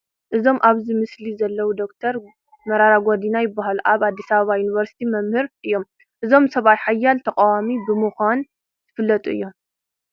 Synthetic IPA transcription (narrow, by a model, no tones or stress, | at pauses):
ʔɨzo̞mʔaβzimɨslizɐlːɐwud̪o̞kt̪ʰɐɾ | mɐɾaɾaɡʷod̪inajɪbːaɦaluʔaβad̪ːisɐβɐβajuniβɐɾsi̥t̪ʰimɐmhɨɾʔɨjːo̞m | ʔɨzo̞msɐβat̪ħajːalt̪ʰɐkʼawamibɨmɨxʷan | z̥ɨfɨlːɐt̪ʼuʔɨjːo̞m